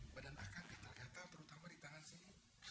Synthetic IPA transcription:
badana̰kaŋɡit̪alɡat̪at̪əɾut̪amadit̪aŋansim

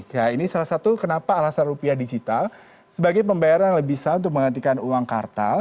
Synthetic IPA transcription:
kainisalahsat̪ukənapaːlasanrupiahdid͡ʒit̪al | səbaɡajpəmbajaɾajaŋləbisaunt̪ʊk̚məŋɦənt̪̬ikanuwaŋkart̪a

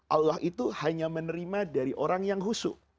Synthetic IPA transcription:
ʔalaɦʔit̪uhaɲamənəɾimadaɾiʔoɾaŋjaŋɦusʊ̰

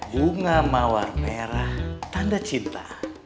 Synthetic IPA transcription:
buŋamawarmeɾaht̪andat͡ʃint̪a

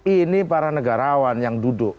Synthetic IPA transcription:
inipaɾanəɡaɾawanjaŋdudʊʔ

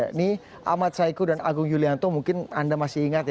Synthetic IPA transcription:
ni | ʔa̰mat̪̚saikudana̰ɡʊŋjuliant̪omuŋkɪnandamasɪiŋat̪̚

